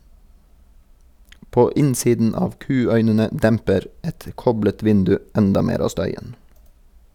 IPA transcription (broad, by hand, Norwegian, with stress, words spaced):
ˈpoː ˈɪnsiːdn̩ ˈɑːʋ ˈkʉːˌœʏnənə ˈdɛmpəɾ ˈɛt ˈkɔblət ˈʋɪndʉ ˈɛndɑ ˈmeːɾ ˈɑː ˈstœʏən